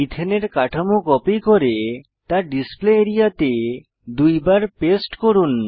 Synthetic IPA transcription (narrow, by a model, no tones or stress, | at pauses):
it̪ʰeneɾkaʈʰamokɔpikoɾe | t̪aɾɖispleːɾijat̪e | d̪ujbaɾpesʈkoɾun